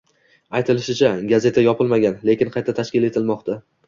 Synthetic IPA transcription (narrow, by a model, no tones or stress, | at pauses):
ajt̪ʰɪlɪʃɪt͡ʃʰaɡaze̞t̪ʰajɒpʰɪlˠmaɡʲanle̞kʲɪnqʰɑjt̪ʰat̪ʰaʃkʲɪle̞t̪ʰɪlmɒqt̪ʰa